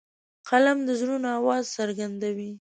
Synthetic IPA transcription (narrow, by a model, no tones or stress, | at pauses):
qʰalamd̪əzɾunawɑzsəɾɡand̪awi